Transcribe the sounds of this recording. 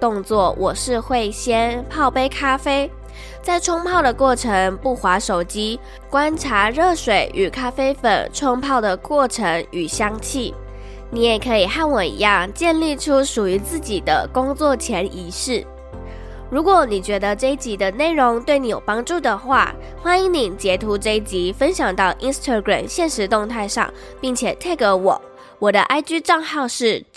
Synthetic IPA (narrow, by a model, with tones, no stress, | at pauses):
t̪ʊ˥˧ŋt͡swɔ˥˩wʔɔ˨˩ʂɻ̩˥˧xwe˥˩ɪɕjɛ˥npʰɑ˥˧ʊpe˥ɪkʰa˥fe˥ɪ | t͡sa˥˩ɪʈ͡ʂʰwʊ˥ŋpʰɑ˥˩ʊd̪ə˩kwɔ˥˩ʈ͡ʂʰə˧˦˥ŋpu˥˩xwa˧˥ʂo˨˩ʊt͡ɕi˥ | kwa˥nʈ͡ʂʰa˧˥ɻɤ˥˩ʂwe˨˩ɪʔy˨˩kʰa˥fe˥ɪfə̰˨˩nʈ͡ʂʰɔ˥ŋpʰɑ˥˩ʊd̪ə˩kwɔ˥˩ʈ͡ʂʰə˧˥ŋy˨˩ɕjɑ˥ŋt͡ɕʰi˥˩ | ni˨˧˥jɛ˨˩kʰɤ˧˥i˨˩xa˥˩nwɔ˨˩ḭ˧˥jɑ˥˧ŋt͡ɕjɛ˥˧nli˥˩ʈ͡ʂʰu˥ʂu˨˩y˧˥t͡sɹ̩˥˩t͡ɕi˨˩d̪ə̰˦kʊ˥ŋt͡swɔ˥˩t͡ɕʰjɛ˧˥nʔi˧˥ʂɻ̩˥˩ | ɻu˧˥kwɔ˨˩ni˨˩t͡ɕɥɛ˧˥d̪ə˧ʈ͡ʂe˥˧i˦t͡ɕi˧˥d̪ə˧ne˥˩ɪɻʊ˧˥ŋt̪we˥˩ɪni˧˥jo˨˩ʊpɑ˥ŋʈ͡ʂu˥˩d̪ə˩xwa̰˥˩ | xwa˥ni˧˥ŋni˨˩t͡ɕjɛ˧˥t̪ʰu˧˥ʈ͡ʂə˥˧i˥˩t͡ɕi˧˥fə˥nɕjɑ˨˩ŋt̪ɑ˥˩ʊʔi˥nst̪ʰa˥˧ɡɹa̰˨˩mɕjɛ˥˩nʂɻ̩˧˥t̪ʊ˥˧ŋt̪ʰa˥˧ɪʂɑ̰˥˩ŋ | pi˥˩ŋt͡ɕʰjɛ˨˩t̪ʰa˥˩ɪkə˧˥wɔ̰˨˩˦ | wɔ˨˩d̪ə˦ʔa˥ɪt͡ɕy˥ʈ͡ʂɑ˥˧ŋxɑ˥˧ʊʂɻ̩˥˩